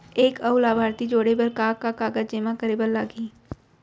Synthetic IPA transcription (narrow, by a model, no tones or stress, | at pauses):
eːkɐwlaːbʱaːɾt̪id͡ʒoːɽebəɾkaːkakaːɡəd͡ʒd͡ʒeːmãkəɾebəlːaːɡiː